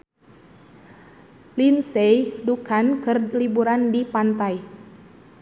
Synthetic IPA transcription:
linsejdukankɨrlibuɾandipant̪aj

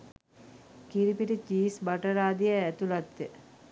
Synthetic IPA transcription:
kiɾipiʈət͡ʃiːsbaʈəɾaːd̪ijəæt̪ulat̪ːə

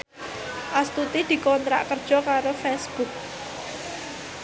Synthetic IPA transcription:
ʔast̪ut̪id̪̥i̤kɔnt̪ɾa̰ʔkərd̥ʒ̥ɔ̤kaɾofɛsb̥uk̚

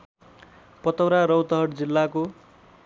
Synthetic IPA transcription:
pʌt̪ʌwɾaɾʌwt̪ʌɦʌʈd͡zilːako

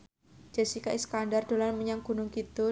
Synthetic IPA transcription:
d͡ʒ̥asikaʔiskandard̥o̤lanməɲaŋɡ̥ṳnʊŋkit̪u

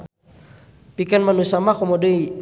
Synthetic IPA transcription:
pikanmanusamakɔmɔdei

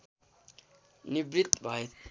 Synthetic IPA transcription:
nibɾit̪bʱaet̪

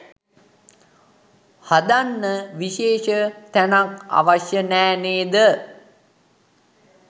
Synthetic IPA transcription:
had̪anːəʋiʃeːʃət̪ænaka̰ʋaʃjənɛːneːd̪ə

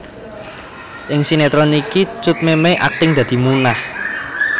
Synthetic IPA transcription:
ʔɪŋsinet̪ɾɔnikit͡ʃʊt̪̚memeʔa̰kɪŋd̪̥ä̤d̪̥i̤munah

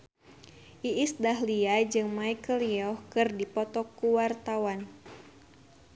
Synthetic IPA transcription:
ʔiisdaɦliad͡ʒɨŋmaikəliɔhkɨrdipɔt̪ɔkːuwart̪awan

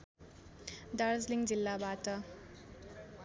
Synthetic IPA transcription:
d̪aɾd͡zliŋd͡zilːabat̪ʌ

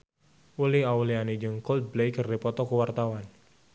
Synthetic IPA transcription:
uliawlianid͡ʒəŋkɔlt̪̚blejkərdipɔt̪ɔkəwart̪awan

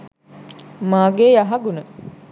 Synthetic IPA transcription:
maːɡejaɦaɡunə

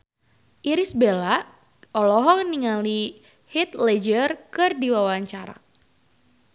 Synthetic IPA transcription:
ʔiɾisbela | ɔlɔɦɔŋəniŋali | hit̪̚lɛd͡ʒərkɨrdiwawaɲt͡ʃaɾa̰

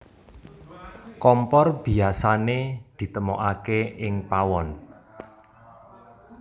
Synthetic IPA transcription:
kɔmpɔrb̥i̤asaned̪̥i̤t̪əmɔʔakeɪŋpawɔn

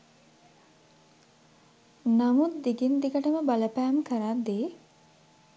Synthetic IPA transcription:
namut̪̚d̪iɡind̪iɡəʈəməbaləpæːmkəɾad̪eː

